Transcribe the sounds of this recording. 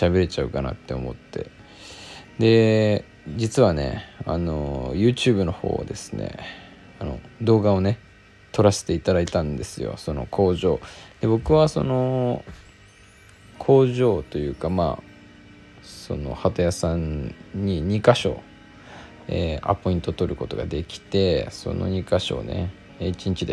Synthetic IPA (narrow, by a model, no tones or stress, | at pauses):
ɕabe̞ɾet͡ɕaɯ̟kana̰t̪ːe̞o̞̰mo̞̰t̪ːe̞̰ | d̪e̞ | d͡ʑit͡sɨβane̞̰a̰no̞jɯ̟ːt͡ɕɨːbɯ̟no̞ho̞̰ːa̰d̪e̞sɨ̥ne̞̰ | ano̞d̪o̞ːɡao̞ne̞ | t̪o̞ɾase̥t̪eit̪ad̪ait̪ãnd̪e̞sɨjo̰so̞no̞̰kʰo̞ːʑo̞ːd̪e̞bo̞kɯ̟βaso̞̰no̞ | kʰo̞ːʑo̞ːt̪o̞jɯ̟ːkama̰ː | so̞̰no̞̰hat̪ajasãɲːiɲ̟ikaɕo̞̰ː | eːa̰pːoĩnt̪o̞t̪o̞ɾɯ̟ko̞t̪o̞ɡa̰d̪e̞kʲi̥t̪e̞so̞̰no̞̰ɲ̟ikaɕo̞̰ːne̞̰ | it͡ɕiɲ̟it͡ɕid̪e